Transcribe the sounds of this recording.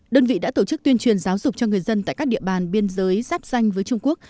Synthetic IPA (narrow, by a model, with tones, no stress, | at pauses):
ɗəː˧nvḭ˧˨ɗa̰ː˧˥t̪o˧˩t͡ɕɨ˦˥k̚t̪wi˧ənt͡ɕwi˨˩ənzaː˨˦wzʊ˨˩k͡p̚t͡ɕɔ˧ŋɨ˨˩əjzə˧nt̪a̰ː˧˨jkaː˦˥k̚ɗḭ˧˨əɓaː˨˩nɓi˧ənzəː˨˦jzaː˦˥p̚za˧jŋ̟vəː˨˦jt͡ɕʊ˧ŋ͡mku˦˥ək̚